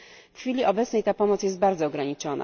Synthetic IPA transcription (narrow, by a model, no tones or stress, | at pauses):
fxfʲilʲiʔɔbɛt̪snɛjt̪apɔmɔt̪sjɛst̪̚baɾd̪zɔːɡɾaɲit͡ʂɔna̰